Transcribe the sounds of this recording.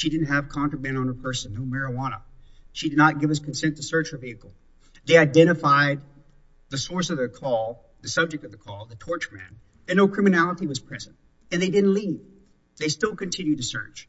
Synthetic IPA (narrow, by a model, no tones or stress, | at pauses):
ʃidɪdⁿn̩t̚ɦɨv̥kʰɑ̃ntə˞mɨ̃ñə̃nə˞pʰɜ˞sɨ̃nːoʊmɛɹɨwɑnə̰ʃidɨdⁿnət̚ɡ̥ɪv̥ɨz̥kɨ̃n̩sɛ̃ntʰɨsɜ˞t͡ʃə˞viɨkl̩ˠ | ðeɪaɪdɛ̃ɾ̃ɨfaɪd̪̚ | ðɨsɔɹsʌvðɨkʰɔlˠ | ðɨsʌb̚d͡ʒɨk̚tʌvðɨkʰɔlˠðɨtʰɔɹt͡ʃəmæ̰̃n | ɨ̃nːoʊkʰɹ̥ɪ̃mɨnælˠəɾiwʌz̥pʰɹ̥ɛzɨ̃nt | ɨ̃nðeɪdɪdⁿn̩ʔˡliv | ðeɪstɪlˠkɨ̃ntʰɪ̃njʉd̚tɨsɜ̰˞t͡ʃ